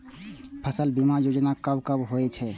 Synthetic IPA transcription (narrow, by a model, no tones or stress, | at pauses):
pʰəsəlbimajoːd͡ʒnakɐbkəbɦoet͡ʃʰɛː